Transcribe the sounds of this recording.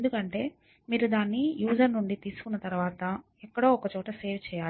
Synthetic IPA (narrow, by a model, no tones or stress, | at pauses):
end̪ukɐɳʈe̞ː | miːɾud̪aːnːijuːd͡ʒɐɾnuɳɖit̪iːsu̥kunːɐt̪ɐɾuʋaːt̪ɐ | ɛkːɐɽo̞ːɔkɐt͡ʃɔːʈɐse̞ːʋt͡ʃɛːjaː